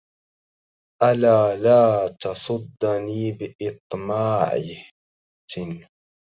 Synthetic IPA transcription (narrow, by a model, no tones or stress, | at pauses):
ʔalaːlaːt̪ɑsˤʊd̪ːniːbɪʔɪt̪ˤmaːʕɪ | n